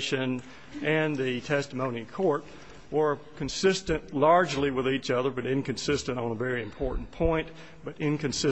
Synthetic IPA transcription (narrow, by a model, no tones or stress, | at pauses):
ʃɨ̃n | ɨ̃nðɨtʰɛstəmõʊ̃nikʰɔɹt̚ | wə˞kʰɨ̃n̩sɪstɨ̃nʔlɑɹd͡ʒliwəðit͡ʃʌðə˞bʌɾɪ̃nkɨ̃nsɪstɨ̃ɾ̃tn̩əvɛɹiɨ̃mpʰɔɹʔn̩pʰɔ̃ɪ̃n | b̥ʌɾɪ̃nkɨ̃nsɪ